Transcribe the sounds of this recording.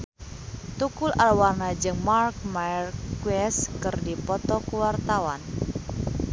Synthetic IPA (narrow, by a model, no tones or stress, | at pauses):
t̪ukulʔalwarnad͡ʒɨŋmark̚maɛrkwɛskɨrdipɔt̪ɔkəwart̪awan